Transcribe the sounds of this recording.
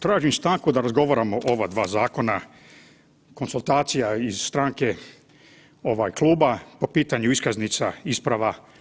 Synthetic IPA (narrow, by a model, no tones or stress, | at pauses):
t̪ɾaːʒimst̪aːŋkud̪aɾazɡo̞ʋaɾamoʔo̞ʋad̪ʋaːzaːko̞na | ko̞nsult̪aːt̪sijaiz̥st̪ɾaːŋke̞ | o̞ʋajklˠuːbapo̞piːt̪aɲuiskaznit̪saispɾaʋa